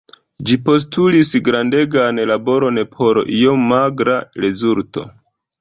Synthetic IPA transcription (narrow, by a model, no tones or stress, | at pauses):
d͡ʒipo̞s̬tulisɡɾande̞ɡanlabo̞ɾo̞nepʰo̞ɾʔijo̞maɡɾaɾe̞zulto̞̰